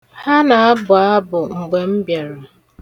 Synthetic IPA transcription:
ha˦na˨a˦bʊ˨a˦bʊ˨ŋ̩˨ɡ͡be˨m̩˦bje˨ɾʊ˨

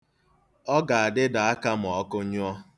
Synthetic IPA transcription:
ɔ˦ɡa˨a˨dɪ˦da˨a˦ka˦m̩˨ɔ˨˦kʊ˦ɲʊ˦ɔ˦

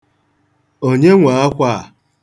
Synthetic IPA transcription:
o˦ɲe˦ŋʷa˨˦a˦kʷa˦˨

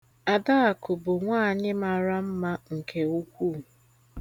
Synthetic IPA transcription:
a˨da˦a˨kʊ˨bʊ˨ŋʷaː˦˨ɲɪ˦ma˨ɾa˦m̩˦ma˦ŋ̩˨kʰe˨u˦kʷuː˦˨

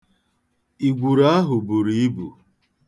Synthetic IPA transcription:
i˨ɡʷu˨ɾa˦a˦ɦʊ˨bu˨ɾi˦i˦bṵ˨

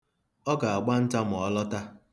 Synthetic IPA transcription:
ɔ˦ɡa˨a˨ɡ͡ba˦n̩˦ta˦mʊ˨ɔ˦lɔ˦ta˦

